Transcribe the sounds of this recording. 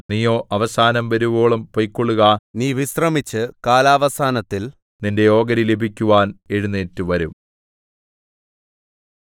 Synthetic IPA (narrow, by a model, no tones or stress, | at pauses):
nijo̞ːʔɐʋɐsaːnɐmʋɐɾuboːɭɐmpojkːoɭːuɣɐniːʋisrɐmit͡ɕːɨkaːlaːʋɐsaːnɐt̪ːil | ninde̞jo̞ːɡɐɾilebʱikʲːuʋaːneɻunːeːtːuʋɐɾum